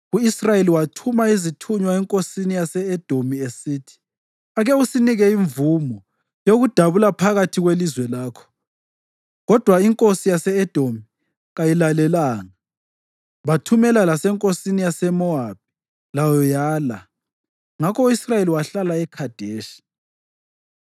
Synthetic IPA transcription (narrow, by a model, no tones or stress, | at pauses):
uisrajeliwatʰumaizitʰuɲwaɛŋkʼosinijasɛːd̥ʱomiesiːtʰi̥ | aɣɛusiniɣɛiɱvumɔ | joɣud̥ʱaβulapʰaɣatʰiɣwelizwɛlaːkʰɔ̥ | ɣɔd̥ʱwaiŋkʼosijasɛɛd̥ʱomi | ɣajilalɛlaːŋa | βatʰumɛlalasɛŋkʼosinijasɛmɔab̥̚ʱi̥ | lajɔjaːla̰ | ŋakʰɔuisrajeliwaɬalaɛkʰad̥ʱeːʃi̥